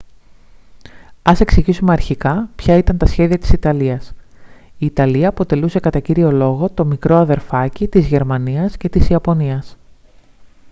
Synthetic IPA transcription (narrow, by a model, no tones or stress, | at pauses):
ɐse̞ksiʝisume̞ɐɾçikɐpçɐit̪ɐnt̪ɐsçe̞ðiɐt̪i̥sit̪ɐliɐs | iːt̪ɐliɐːpo̞t̪e̞luse̞kɐt̪ɐciɾio̞lo̞ɣo̞t̪o̞mikɾo̞ɐðe̞ɾfɐcit̪izʝe̞ɾmɐniɐsce̞t̪isiɐpo̞niɐs